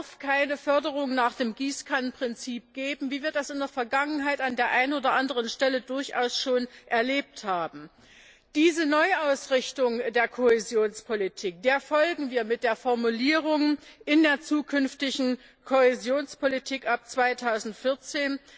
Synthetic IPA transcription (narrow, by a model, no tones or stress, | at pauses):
ɐfkʰaɪnəfœɐdəʁ̞ʊŋnaːχd̥eːmɡiːskʰanpʁ̥ɪnt͡siːp̚ɡ̥eːbm̩viːvɪɐt̚d̥asɪndeːɐfɛɐɡaŋənɦaɪtandeːɐʔaɪnoːdɐʔandəʁənʃtɛlədʊɐçʔa̰ʊsʃoːnʔɛɐleːp̚thaːbm̩ | d̥iːzənɔʏʔaʊsʁɪçtʊŋdeːɐkʰohezjoːnspʰolitʰiːk̚d̥eːɐfɔlɡŋ̩viːɐmɪt̚d̥eːɐfɔɐmuliːʁ̞ʊŋʔɪndeːɐt͡suːkʰʏnftɪçŋ̩ | kʰohezjoːnspʰolitʰiːkʔap̚t͡sv̥aɪtʰaʊzn̩tfɪɐt͡seːn